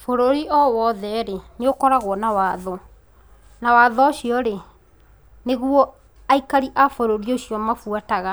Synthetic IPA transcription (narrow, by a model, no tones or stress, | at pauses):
foɾoɾiʔɔwɔðɛɾeneokɔɾaɣwɔnawaːðɔ | nawaːðɔːɕiɔɾe | neɣwɔ | aikaɾiʔafoɾoɾioɕjɔmafwataɣa